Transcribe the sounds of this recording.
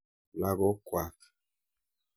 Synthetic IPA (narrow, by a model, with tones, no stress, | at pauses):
la˦ɡɔ˦kwa˨t